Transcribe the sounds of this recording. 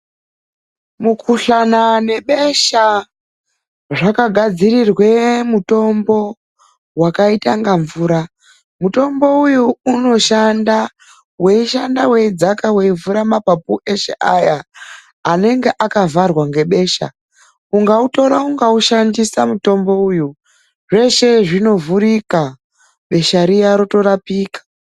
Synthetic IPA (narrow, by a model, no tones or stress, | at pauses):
mukʰuɬanane̞ɓe̞ʃa | ʐakaɡʱad͡zirirwe̞muto̞mbo̞ | wakaitaŋɡaɱvuːɾa | muto̞mbo̞ujuuno̞ʃanda | we̞iʃandawe̞id͡zakaweivuɾamapapuʔe̞ʃḛʔajaː | ne̞ŋɡe̞ʔakavarwaŋɡe̞ɓe̞ːʃa̰ | uŋɡauto̞ɾauŋɡauʃandisamuto̞mbo̞uju | ʐe̞ʃe̞ʐino̞vuɾika | ɓe̞ʃaɾiaɾoto̞ɾapiːkḁ